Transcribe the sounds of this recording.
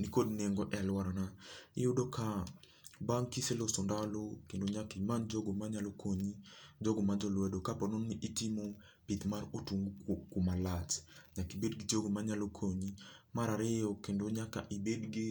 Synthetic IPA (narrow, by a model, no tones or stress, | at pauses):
nikod̚neŋɡɔʔɛalwaɾɔnaɪjʊdoka | baŋkiselosɔndalokendoɲakɪmand͡ʒoɡomaɲalokʰoɲid͡ʒɔɡomad͡ʒɔlwɛdokapɔnɔnnɪʔitimo | pit̪marotuŋɡkumalat͡ʃɲakibedɡid͡ʒoɡomaɲalokʰoɲimaɾaɾɪjɔkendoɲaka̰ʔibedɡɪ